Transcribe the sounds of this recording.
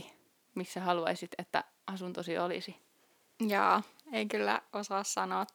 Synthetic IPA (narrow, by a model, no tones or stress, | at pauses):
i | misːæhɑluɑ̰isit̪et̪ːæ̰ | ɑsunt̪osiolḭsi | jɑːeikylːæ̰osɑːssɑnoːt̪